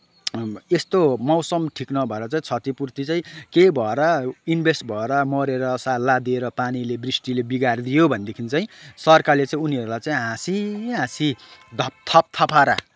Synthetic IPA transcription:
est̪omʌwsʌmʈʰiknʌbʱʌeɾʌt͡saĩt͡sʰʌt̪ipurt̪it͡saĩkejbʱʌeɾʌinbʱesʈbʱʌeɾʌmʌɾeɾʌsalad̪eɾʌpanilebrisʈilebiɡard̪ijobʱʌnd̪ekʰint͡saĩsʌrkarlet͡saĩuniʌɾulajt͡saĩɦãsiɦãsid̪ʱʌp̚t̪ʰʌp̚t̪ʰʌpaɾa̰

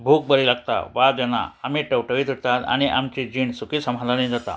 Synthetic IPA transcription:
bʱuk̚bəɾilaɡ̚t̪a̰ʋad͡ʑəna̰amiːʈəwʈəʋit̪uɽt̪at̪a̰ɽ̃iʔamt͡ɕid͡ʑiɳsukiːsəmad̪ʱanĩd͡zat̪a̰

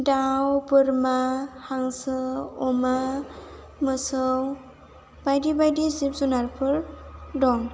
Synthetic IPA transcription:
dawpɯɾmahaŋsɯɔma | mɯsɯw | bajdibajdizip̚zunaɾpʰɯɾdɔŋ

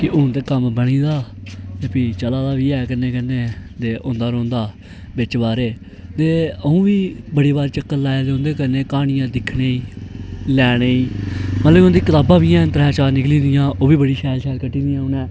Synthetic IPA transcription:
kɪʔʊnt̪eːkəmbəɽ̃ĩːd̪aːt̪eːpiːt͡ʃəlaːd̪aːʋiːɛːkəneːkənːeːt̪eːʔʊ̃nd̪aːɾõːnd̪aː | bɪt͡ʃbaːɾeː | t̪eːəũːʋiːbəɽeːbaːɾeːt͡ʃəkːəlaːed̪eõːnd̪eːkəneːkaːnɪjãːd̪ɪkʰɽeːiːlɛːɽeːiːmət̪ləbʊ̃nd̪iːkət̪aːbãːʋiːãːnt̪əɾɛːt͡ʃaːɾnɪklĩːnd̪ɪjãːʔoːʋiːbəɽiːʃɛːlʃɛːlkəʈːĩːnd̪ijãːʊnɛ̃ː

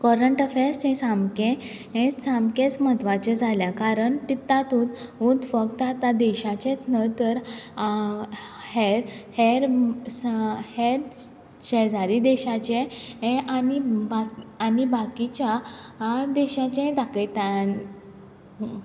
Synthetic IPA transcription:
kɔɾəɳʈəfẽsẽsamkẽ | ɦẽsamkẽt͡smət̪ʋat͡ɕẽd͡zʱaljakaɾəɳt̪it̪ːat̪ut̪ud̪fəɡt̪at̪ad̪ɛɕat͡ɕẽt̪nət̪əɾ | heɾheɾ | heɾ | ɕɛd͡zaɾid̪ɛɕat͡ɕẽɦẽʔanibaːnibakit͡ɕa | d̪ɛɕat͡ɕẽd̪akəjt̪a

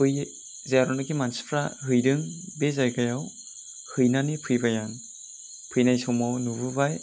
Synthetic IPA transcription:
pʰɯj | zaaɾɔnɯɡimanspʰɾaɦɯjdɯŋbezajɡajaw | hɯjnanipʰɯjbajan | pʰɯjnajsɔwmɔnubɯbaj

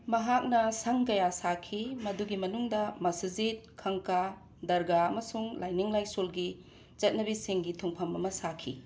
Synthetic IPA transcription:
mɐɦak̚nɐsɐŋkɐjasakʰimɐduɡimɐnuŋdɐmɐsɐzit̚kʰɐŋka | dɐɾɡaɐmɐsuŋlʔajniŋlajsolɡi | t͡ʃɐt̚nɐbisiŋɡitʰuŋpʰɐmɐmɐsakʰḭ

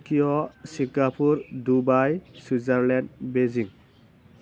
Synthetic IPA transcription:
kijɔsiŋɡapuɹdubajsizaɹlɛndbeziŋ

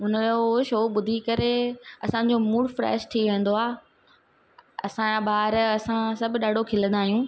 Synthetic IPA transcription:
ɦʊnəoʃoːɓʊd̪ʱikɐɾeɐsãɲ̆d͡ʑoːmuːɽfɾɛ̰ːʃʈʰiʋẽːnd̪oaː | ɐ̰sãɓaːɾɐsãsɐbʱɗaːɖʱokʰɪlə̃nd̪aːɦijũː

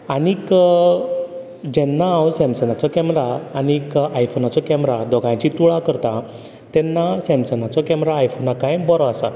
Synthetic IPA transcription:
anik | d͡ʑɛnːãːwsɛ̃msənat͡sɔkɛmɾaːnikajfonat͡sɔkɛmɾad̪ɔɡãt͡ɕit̪uɭakəɾt̪a | t̪ɛnːasɛ̃msənat͡sɔkɛmɾaːjfonakajbɔɾɔasa̰

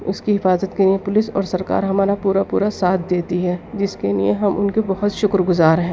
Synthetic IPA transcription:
ʊskiɦɪfaːzət̪kelijepʊlɪsɔ̰ːɾsɐɾka̰ːɾɦɐmaːɾapuːɾapuːɾasaːt̪̚ʰd̪eːt̪iɦɛːd͡ʒɪskelieɦɐmʔʊ̰nkebɐɦʊt̪ʃʊkɾɡʊzaːɾɦɛ̃ː

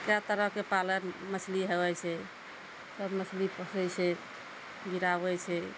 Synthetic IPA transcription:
kɾat̪əɾəɦkepaləɾməsliɦewɛt͡ʃʰɛ | səbməslipəsəjt͡ʃʰɛ | ɡiɾabɛt͡ʃʰɛ

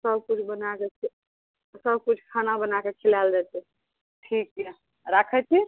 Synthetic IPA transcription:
səb̚kut͡ʃʰbənake | səb̚kut͡ʃʰkʰanabənakekʰilald͡ʒɛt̪ɛ | ʈʰikːɛ | ɾakʰət͡ʃʰi

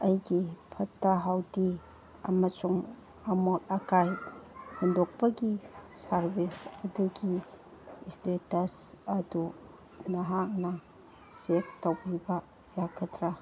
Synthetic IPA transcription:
ɐjɡipʰɐtːɐɦawdi | ɐ̰mɐsuŋ | ɐmot̚ɐkajhundok̚pɐɡisɐɾbisɐduɡi | stetɐsɐdu | nɐɦak̚nɐ | sek̚towɾibɐ | jakʰɐtɾɐ

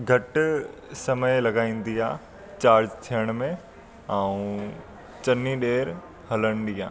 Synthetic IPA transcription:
ɡʱɐʈ | sɐməlɐɡaːĩːn̆d̪iaː | t͡ɕaːɾd͡ʑt̪ʰijəɽ̃mẽ | aũ | t͡ɕɐniɗeːɾ | ɦɐləɽ̃ɗiːa̰ː

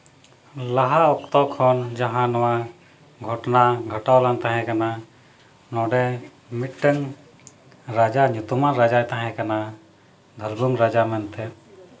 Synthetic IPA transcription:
laɦaɔkt̪ɔkʰɔnd͡ʒaɦãnɔwa | ɡʱɔʈnaɡʱəʈawlant̪ãɦɛ̃kana | nɔɖɛ | miʈʈəŋ | ɾad͡ʒaɲut̪umaɾad͡ʒajt̪ãɦɛ̃kana | d̪ʱəlbuŋɾad͡ʒamɛnt̪ʰɛ

